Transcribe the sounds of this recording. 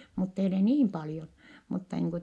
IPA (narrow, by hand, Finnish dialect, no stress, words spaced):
mutːei ole niːm pɑljon mutːɑ niːŋ ku